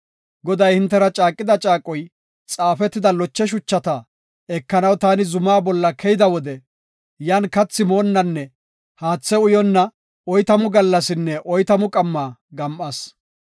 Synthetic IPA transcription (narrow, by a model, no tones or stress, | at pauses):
ɡɔd̪ɐjhɪnt̪ːɛɾɐt͡ʃʼaːkʼːɪd̪ɐt͡ʃʼaːkʼːɔj | t͡sʼaːfɛt̪ːɪd̪ɐlɔt͡ʃːɛʃ̬ʊt͡ʃːɐt̪ɐ | ɛkːɐnɐwt̪aːnɪzʊmaːbɔlːɐkʰɛjɪd̪ɐwɔd̪ɛ | jaːnkɐt͡sːɪmo̞ːnːɐnːɛ | haːt͡sːɛʊjɔnːɐ | ɔjt̪ɐmʊɡɐlːɐsɪnːɛʔɔjt̪ɐmʊkʼɐmːaːɡɐmʔɐs